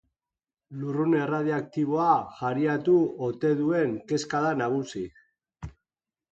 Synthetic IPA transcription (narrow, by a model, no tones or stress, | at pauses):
lurune̞raðiak̚t̪iβ̞o̞aʝaɾiat̪uot̪e̞ðue̞ŋke̞skaðanaɣ̞usi